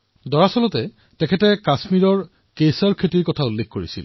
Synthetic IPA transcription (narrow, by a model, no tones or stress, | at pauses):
dɔɹasɔlɔtɛ | tɛkʰɛtɛkasmiɹɔɹ | kesɔɹkʰetiɹkɔtʰaulːexkoɹisḭl